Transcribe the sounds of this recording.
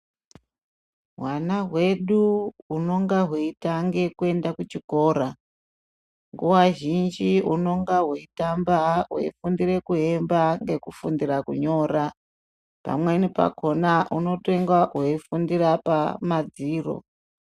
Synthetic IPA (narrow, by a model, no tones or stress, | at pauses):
ɦwanaɦwe̞ɗuuno̞ŋɡaɦweitaŋɡe̞kue̞ndakut͡ʃiko̞ːɾa | ŋɡuwaʒind͡ʒiuno̞ŋɡaɦweitambaɦwḛifundire̞kuɦe̞mbaŋɡe̞kufundirakuɲo̞ra | pa̰mwe̞nipa̰kʰo̞naʔuno̞teŋɡaɦweifundirapamad͡ziːro̞̰